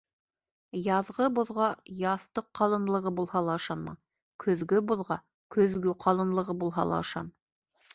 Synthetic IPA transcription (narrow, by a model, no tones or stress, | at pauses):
jɑðʁɤboðʁɑjɑθt̪ɤqːɑlˠɤ̆nlˠɤ̆ʁɤbulˠhɑlˠɑɤ̆ʃɑnmɑ̰ | kʰɵ̆ðɡɵboðʁɑ | kʰɵ̆ðɡɵqʰɑlˠɤ̆nlˠɤ̆ʁɤbulˠɦɑ̰lˠɑ̰ɤ̆ʃɑ̰n